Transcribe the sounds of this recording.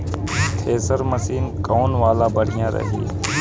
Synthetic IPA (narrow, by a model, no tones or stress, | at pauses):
t̪ʰeːsəɾməsiːnkoːnʋaːlaːbəɽ̤ijãːɾə̰ɦḭː